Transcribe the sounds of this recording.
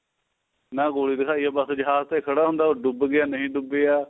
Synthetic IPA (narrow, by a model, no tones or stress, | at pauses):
nãːɡoːɽiːd̪ɪkʰaːiːaːbəsd͡ʒəɦaːzt̪eːkʰəɽaːɦʊ̃nd̪aːoːɖʊbɡɪaːnəɦĩːɖʊbeːaː